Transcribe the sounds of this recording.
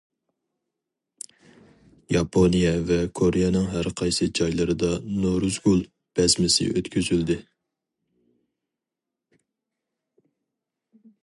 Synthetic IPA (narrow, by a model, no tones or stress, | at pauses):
jɑpʰonijɛvɛkʰoɾɪjɛnɨŋɦæɾqʰɑjsɨd͡ʒɑjlˠɨɾɨd̪ɑnoɾuzɡulˠ | b̥ɛzmɪsɪ̰ʔøt̪kʲʰyzyld̪ɪ